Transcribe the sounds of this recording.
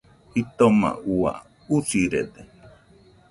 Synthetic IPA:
it̪omã̰ua̰ | usiɾed̪e

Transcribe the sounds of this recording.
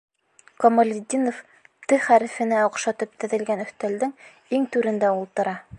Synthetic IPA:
komolʲɪd̪ʲːinof | t̪ɘχæɾɘ̆fɘ̆næŏqʃɑt̪ɤp̚t̪ɘ̆ðɘ̆lɡænɵ̆θt̪æld̪ɘŋ | iŋt̪ʉɾɘ̆nd̪æulˠt̪ɤ̆ɾɑ

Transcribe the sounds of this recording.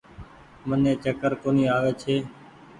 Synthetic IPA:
mənẽːt͡ʃəkəɾkoːniːaːʋeːt͡ʃʰeː

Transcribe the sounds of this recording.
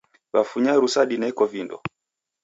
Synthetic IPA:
βafuɲaɾusaɗinɛɛkɔvindɔ̰

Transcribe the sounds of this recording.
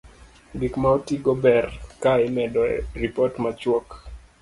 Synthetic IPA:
bikmawtiɡɔbɛrkaɪmɛdɔɾipɔtmat͡ʃwɔk

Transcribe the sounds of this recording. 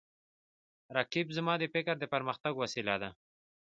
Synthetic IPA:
ɾakibzəmɑd̪əfɪkaɾd̪əpaɾməxt̪aɡwasilad̪a

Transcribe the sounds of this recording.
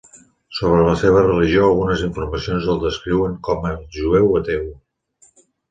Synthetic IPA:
soβ̞ɾələseβ̞ərəliʒioəlˠɣunəziɱfuɾməsionzəlˠd̪əskɾiwəŋkɔməʒuɛwət̪ew

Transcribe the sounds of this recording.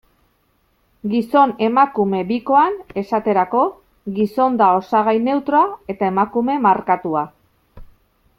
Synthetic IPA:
ɡiso̞ne̞makume̞biko̞ane̞sat̪e̞ɾako̞ | ɣiso̞nd̪ao̞saɣ̞ajne̞wt̪ɾoae̞t̪ae̞makume̞maɾkat̪ua

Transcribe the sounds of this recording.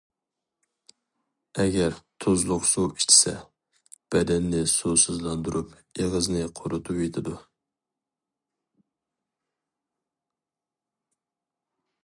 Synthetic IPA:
ɛɡʲɛɾt̪ʰozlˠʊqsuwi̥t͡ʃʰi̥sɛ̰ | b̥ɛd̪ɛnːɪsusuzlˠɑnd̪uɾʔup | eʁəznɪqʰoɾʊt̪ʰupet̪ʰɪd̪u

